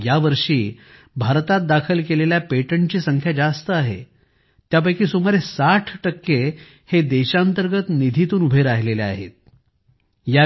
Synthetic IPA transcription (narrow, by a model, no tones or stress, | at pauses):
jaʋəɾʂiː | bʱaɾt̪at̪̚d̪akʰəlkeleljapeʈəɳt͡ɕiːsəŋkʰjad͡ʑast̪əaɦḛ | t̪jap̬ajkiːsumaɾesaʈʰʈəkːe | hed̪eɕaənt̪əɾɡət̪nid̪ʱit̪uːnubʱeɾaɦlelea̰ɦḛt̪̚ | ja